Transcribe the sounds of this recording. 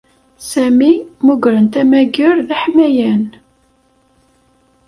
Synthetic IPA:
sæmimuɡɾənt̪æmæɡəɾðæħmæjæn

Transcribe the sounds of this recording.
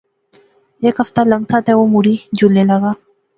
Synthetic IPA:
ekaft̪aləŋt̪ʰat̪ɛomuɾid͡ʒulelaɣa

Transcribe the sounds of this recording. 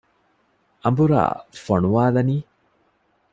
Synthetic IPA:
ɐmbuɾa̰ːfɐɳuʋaːlɐniː

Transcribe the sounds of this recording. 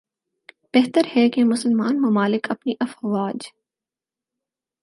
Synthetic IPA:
b̥ɛɦt̪əɾhɛkemʊsəlmaːnmʊmaːlɪkɐpniʔɐfʋaːd͡ʒ

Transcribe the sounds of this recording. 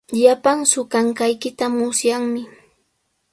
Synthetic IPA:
ʎapaŋsʊkaŋkajkɪt̪amʊsjaŋmɪ

